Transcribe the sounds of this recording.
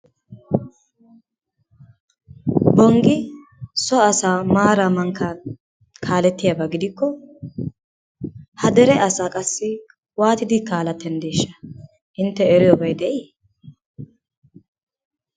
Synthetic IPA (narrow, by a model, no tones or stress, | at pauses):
bɔŋɡɪ | sɔɐsaːmaːɾɐmɐŋkːɐ | kʰaːlɛt̪ːɪjabɐɡɪd̪ɪkːɔ | hɐd̪ɛɾɛɐsaːkʼɐsːɪ | waːt̪ɪd̪ɪkaːlɐt̪ːɛnd̪eːʃːɐ̥ | ʔɪnt̪ːɛːɾɪjɔbɐjd̪ɛʔiː